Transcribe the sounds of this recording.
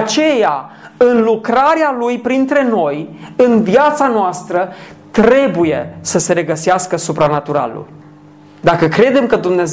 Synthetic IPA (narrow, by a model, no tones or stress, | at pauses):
t͡ʃe̞ja | ɨnlukɾaɾealujpɾint̪ɾe̞no̞jɨnvijat̪sanoast̪ɾə | t̪ɾe̞buje̞səse̞ɾe̞ɡəseaskəsupɾanat̪uɾa̰lṵl | d̪akəkɾe̞d̪e̞mkəd̪umne̞z